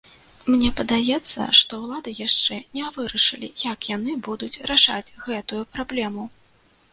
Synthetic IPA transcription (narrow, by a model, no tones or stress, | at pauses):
mnʲɛpɐd̪ajɛt̪sːɐ̰ʂt̪ɔwlˠad̪ɨjaʂt͡ʂɛnʲɛvɨɾɐʂɨlʲḭjɐkjanɨbud̪ut͡sʲɾaʂa̰d͡zʲɣɛt̪ujupɾablʲɛmu